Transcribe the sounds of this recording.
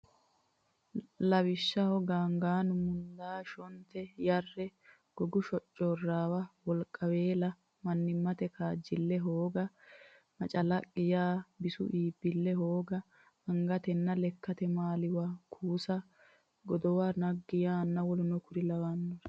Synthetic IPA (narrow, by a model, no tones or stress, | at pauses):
lɐwɪʃːɐhɔɡaːŋɡaːnʊmʊnd̪aːʃɔnt̪ɛjɐrːɛ | ɡ̥ɔɡʊʃɔt͡ʃʼːɔrːaːwɐwɔlkʼːɐwe̞ːlɐ | mɐnːɪmːɐt̪ɛkaːd͡ʒːɪlːɛɦoːɡɐ | mɐt͡ʃʼɐlɐkʼːɪjaːbɪsʊ̰ʔiːbːɪlːɛɦoːɡɐ | ɐŋɡɐt̪ɛnːɐlɛkːɐt̪ɛmaːlɪwakʰuːsɐ | ɡɔd̪ɔwanɐɡːɪjaːnːɐwɔlʊnɔkʊɾɪlɐwaːnːɔɾ